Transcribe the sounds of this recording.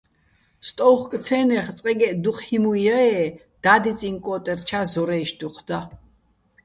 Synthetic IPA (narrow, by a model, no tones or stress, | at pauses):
st̪ʼɔwχk̪ʼt͡sʰɛːnɛχt͡sʼqʼɛɡɛʔd̪uqʰhimujaɛ | d̪̥ad̪it͡sʼiŋkʼɔːt̪ʼɛrt͡ʃʰazɔɾɛjʃd̪̥uqʰd̪̥a